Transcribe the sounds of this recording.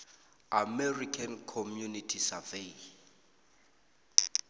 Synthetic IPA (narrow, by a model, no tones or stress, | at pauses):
amɛrikʰankʰɔmjunitʰisave